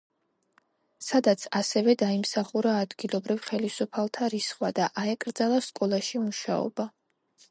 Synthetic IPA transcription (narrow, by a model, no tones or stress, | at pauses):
sad̪at̪sʰasɛvɛd̪aimsaχuɾaːd̪ɡilˠɔbɾivχɛlisupʰalˠt̪ʰaɾisχwad̪aʔaɛkʼɾd̪zalˠaskʼɔlˠaʃimuʃa̰ɔ̰ba